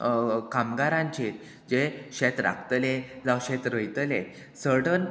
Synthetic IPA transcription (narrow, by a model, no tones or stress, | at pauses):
kamɡaɾãɲt͡ɕe | d͡ʑeɕɛt̪ɾa̰kt̪led͡zawɕɛt̪ɾəjt̪əle | səɽən